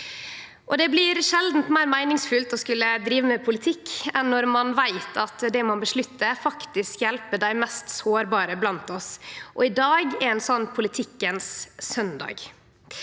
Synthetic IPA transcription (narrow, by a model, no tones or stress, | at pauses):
ʔɔd̪ɛblɪɾʂɛld̪n̩t̪mæɪɾmæɪnɪŋsfʉlt̪ɔskʉlːəd̪ɾiːʋəmɛpʰʊlɪt̪ʰɪkːɛnːɔɾmɑnʋæɪt̪ʰɑt̪d̪ɛmɑnbəʂɭʉt̪ːəfɑkt̪ɪskjɛlpəd̪æɪmɛst̪soːɾbɑːɾəblɑnt̪ɔsʔɔɪd̪ɑːɡɛɾɛɪnsɔnːpʰʊlɪt̪ʰɪkːənssœnd̪ɑ̰ːɡ